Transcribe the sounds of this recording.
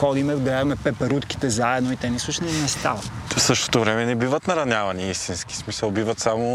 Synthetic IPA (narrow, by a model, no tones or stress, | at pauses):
xɔd̪imɛvɡlɛvɐmɛpɛpɛɾut̪ki̥t̪ɛzaɛd̪noit̪ɛnisˠuʃnɛnɛst̪a̰vɐfsɤʃt̪o̥t̪ovɾɛmɛnɛbivɐt̪nɐɾɐnʲavɐniist̪inski̥smisəlˠbivɐt̪samo